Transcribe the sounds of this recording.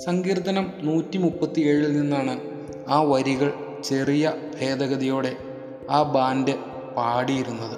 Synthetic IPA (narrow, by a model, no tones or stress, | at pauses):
sɐŋɡiːrt̪ɐnɐmnuːtːimupːɐt̪ːie̞ːɻɨninːaːɳɨ | aːʋɐɾiɣɐɭ | t͡ɕe̞rijɐbʱe̞ːd̪ɐɣɐðijo̞ːɽe̞ | aːbaːndɨ | paːɽijiɾunːɐðɨ